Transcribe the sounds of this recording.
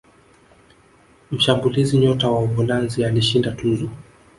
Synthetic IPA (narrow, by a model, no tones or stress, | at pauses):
m̩ʃambuliziɲɔtawaɔvɔlanzialiʃindatunzɔ